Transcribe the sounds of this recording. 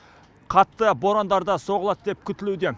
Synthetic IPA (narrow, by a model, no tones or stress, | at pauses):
qʰɑt̪ːəbo̞ɾand̪ɑɾd̪ɑso̞ʁəlˠɑt̪d̪e̞p̚kʲʰʏt̪ɪlud̪e̞